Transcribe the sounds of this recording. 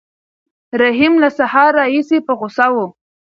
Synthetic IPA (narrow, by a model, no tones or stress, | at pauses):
ɾaɦimlasahɑɾːɑhisepəɣʊsawo